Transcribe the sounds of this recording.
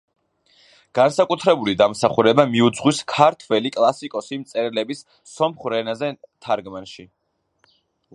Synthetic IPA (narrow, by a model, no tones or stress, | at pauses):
ɡ̥ansakʼut̪ʰɾɛbulid̪amsaχuɾɛbamiud̪zʁwiskʰaɾt̪ʰvɛlikʼlˠasikʼɔsimt̪sʼɛɾɛlɛbisː | ɔmχɾɛnazɛt̪ʰaɾɡmanʃi